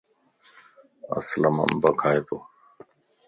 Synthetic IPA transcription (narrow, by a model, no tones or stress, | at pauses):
ə̰sləmə̰mbəkʰaːeːt̪ʰoː